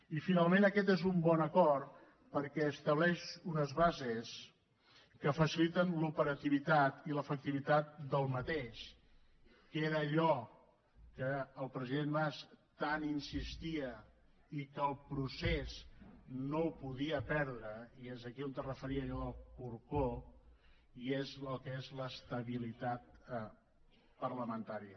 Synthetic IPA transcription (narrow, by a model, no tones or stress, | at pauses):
ifinalˠmenəkɛt̪ezumbɔnəkɔɾt̪ | pəɾkɛəst̪əβ̞lɛʃunəzβazes | kəfəsilit̪ənlupəɾət̪iβit̪at̪iləfək̚t̪iβit̪at̪̚d̪əlˠmət̪eʃ | keɾəːʎɔ | kəːlˠpɾəziðenmast̪aninsist̪iə | ikəlˠpɾuseznoupuðiəpɛɾðɾəiezəkiont̪ərəfəɾiəʒəðəlˠkuɾko | iezəkezləst̪əβilit̪at̪̚ | pərləmənt̪aɾiə